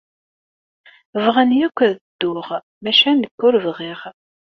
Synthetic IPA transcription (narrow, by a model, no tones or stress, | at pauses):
vʁanjækʷːðd̪̥ːʊʁ | mæʃænəkːʊɾvʁiʁ